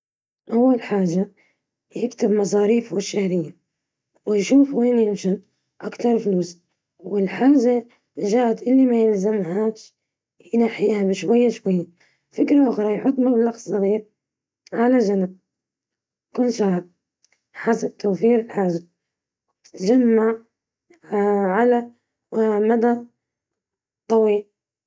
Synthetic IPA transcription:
ʔawːalħaːʒa | jɪkt̪ɪbmɑs̬ˤɑːɾiːfwɪʃːaːɾɪjːa | wɪjʃuːfweːnjɪmʃan | ʔakt̪ɑɾˤfluːs | wɪlħaːʒa | ʒaːʔat̪ʔɪlːimajɪlzamhaːʃ | jɪnaħjɪhamʃwajːaʃwajːa | fɪkɾaʔʊxɾˤɑjħʊt̪ˤːmablɑqssˤɑɣiːɾ | ʕalad͡ʒanab̚ | kunʃahɑb̚ | ħasab̚t̪ʰawfiːɾɪlħaːʒa | wt̪ɪ̥t̪d͡ʒamːaʕ | ʕala | mad̪a | t̪ˤːɑwiːl

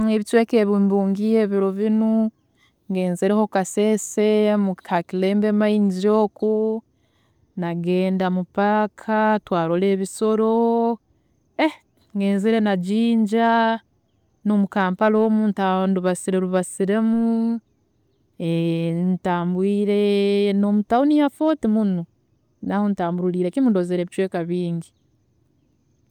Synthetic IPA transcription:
eβit͡ʃweːkeβimbuːŋɡieːβiɾoβinu | ŋɡe̞ːnziɾehokasesemuakile̞ːmbemaiɲd͡ʒiɾo̞ːku | naɡe̞ːndamupakʰatwaːɾole̞ːβiso̞ɾo̞ | e | ŋɡe̞ːnziɾe̞naɟiːɲɟa | no̞mukaːmpalomuːntanduβasiɾeɾuβasiɾe̞mu | entaːmbwiːɾe̞no̞mutaonijafo̞ːtimuno | nahontaːmbuɾuliːɾe̞kimudozeɾeːβit͡ʃweːkaβiːɲɟi

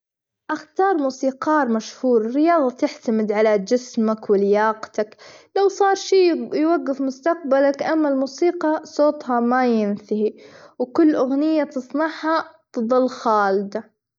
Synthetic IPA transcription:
ʔaxt̪ɑːɾˤmuːsiːqɑːɾˤmaʃhuːɾɾɪjɑːðˤɑt̪ɪħt̪amɪd̪ʕalad͡ʒɪsmakwɪlɪjɑːqt̪aklawsˤɑːɾˤʃiːjwaɡːɪfmʊst̪aq̚balakʔamːalmuːsiːqɑsoːt̪ˤhɑmajɪnθɪhiwkʊlːʔʊɣnɪjːat̪ɨsˤnɑʕhat̪ɨðˤɨlːxaːld̪a

